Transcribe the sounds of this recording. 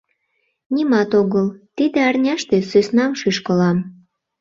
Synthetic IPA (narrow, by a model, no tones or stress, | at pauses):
nʲimɑt̪oɣəlt̪id̪ĕɑrnʲɑʃt̪esysnɑmʃyʃkəlɑm